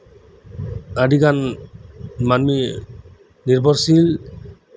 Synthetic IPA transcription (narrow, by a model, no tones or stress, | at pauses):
aɖiɡan | manmi | niɾbʱɔɾsil